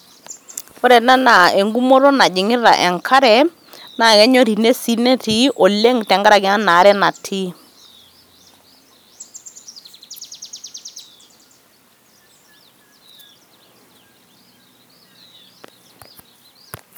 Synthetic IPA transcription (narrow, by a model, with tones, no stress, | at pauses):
ɔ˦ɾɛ˨na˦na˨e˨ŋɡu˦mɔ˦ɾɔ˦na˨d͡ʒɪ˨ŋɪ˦ɾa̰˨ʔɛ˨ŋkʰa˦ɾɛ˨ | na˨ɣɛ˦ɲɔ˦ɾi˨ne˦si˦nɛ˦ti˦ʔɔ˨le˦ŋtɛ˨ŋɡa˦ɾa˨ɡɛ˨˦na˦na˨˦ɾɛ˦na˨tʰi˦